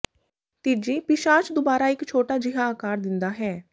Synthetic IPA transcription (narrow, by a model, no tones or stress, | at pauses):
t̪id͡ʒiːpɪʃaːt͡ʃd̪obaːɾaːɪkt͡ʃʰoːʈaːd͡ʒɪɦaːakaːɾd̪ɪnd̪aːɦɛː